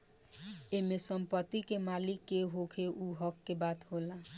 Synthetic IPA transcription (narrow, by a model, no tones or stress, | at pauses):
emesəmpət̪ːikemalikːeɦokʰeʔuɦʌkːebat̪ɦola